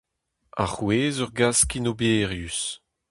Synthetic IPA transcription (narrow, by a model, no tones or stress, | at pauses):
a̰χweːzɔʁɡaskinobeːʁjys